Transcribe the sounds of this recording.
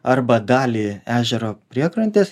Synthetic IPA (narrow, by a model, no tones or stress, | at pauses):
ɐɾbɐd̪ɑːlʲiːæːʒʲɛɾoːpʲɾʲiɛkɾɐnʲt̪ʲes